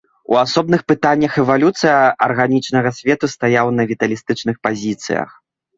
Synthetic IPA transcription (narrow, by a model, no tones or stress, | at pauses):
ṵasɔb̚nɨxpɨt̪anʲːɐxɛvalʲut̪sɨjɐɐrɣanʲit͡ʂnɐɣɐsʲvʲɛt̪ust̪ajawnɐvʲit̪ɐlʲist̪ɨt͡ʂnɨxpazʲit̪sɨ̰jɐ̰x